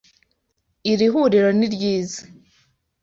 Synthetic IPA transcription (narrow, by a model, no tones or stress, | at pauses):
iɾiɦuːɾiɾo̞niɾɟiːzḁ